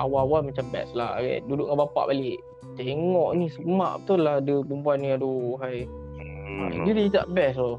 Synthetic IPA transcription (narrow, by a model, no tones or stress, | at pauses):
ʔawawalmat͡ʃambɛ̰slahɡɛ̰ʔdudʊʔŋabapa̰ʔbaleʔ | t̪eŋɔʔnisəma̰ʔt̪uladəbumpuanːĩaduɦaj̰ | dədiɲit̪a̰ʔbɛsɔ